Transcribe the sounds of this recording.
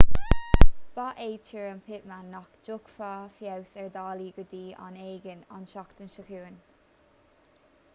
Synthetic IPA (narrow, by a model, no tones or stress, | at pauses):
b̥aʔeːtʰəɹənpʰɪʔmanːɔkd͡ʒʊkfafjawsɛɹd̪aːliːɡəd̪iːa̰neːɡəna̰nʃakt̪ənʃəxuːən